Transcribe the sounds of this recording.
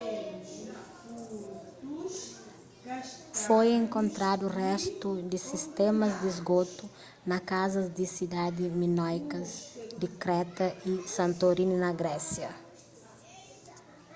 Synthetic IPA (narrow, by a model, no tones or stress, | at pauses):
fojẽŋkõnt̪ɾad̪urɛst̪ud̪ɪsist̪emɐzd̪izɡot̪u | nɐkazɐzd̪isid̪ad̪ɪminɔjkɐzd̪ikɾɛt̪ɐisɐ̃nt̪oɾinunɐɡɾɛsjɐ